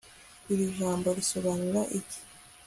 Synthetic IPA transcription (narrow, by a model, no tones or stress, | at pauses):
iɾiʒaːmbo̞ɾiso̞βanuɾaʔiɟi̥